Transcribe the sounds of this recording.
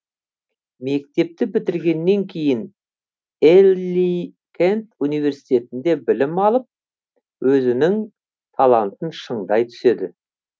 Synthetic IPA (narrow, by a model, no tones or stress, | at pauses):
me̞k̚t̪e̞p̚t̪ɪbɪt̪ɪɾɡʲe̞nːe̞ŋkʲʰe̞jɪn | elʲi | kʲʰent̪unijve̞ɾsi̥jt̪e̞t̪ɪnd̪e̞bɪlɪmɑlˠəp̚ | wʔɵzɪnɪŋ | t̪ʰɑlˠɑnt̪ənʃəɴd̪ɑjt̪ʰʏ̥se̞d̪ɪ